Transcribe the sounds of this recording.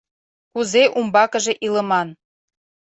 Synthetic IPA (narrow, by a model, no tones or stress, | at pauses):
kuzeʔumbɑkə̆ʒe̽ʔiləmɑn